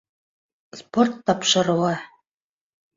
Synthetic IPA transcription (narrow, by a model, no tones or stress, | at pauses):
sport̪ːɑpʃɤ̆ɾɤ̆lˠɑ